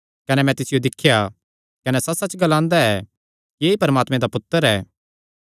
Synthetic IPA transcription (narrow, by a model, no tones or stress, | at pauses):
kɐnɛmɛ̃t̪ɪsɪjod̪ɪkʰːja | kɐnɛsɐsɐt͡ʃɡɐlãːnd̪aɛː | kieipɐɾmaːt̪mẽd̪apʊt̪ːəɾɛː